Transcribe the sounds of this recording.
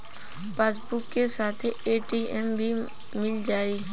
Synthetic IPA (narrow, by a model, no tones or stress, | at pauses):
peːsbʊkːesaːt̪ʰeeːʈiɛmbʱi | mɪld͡ʒaːiː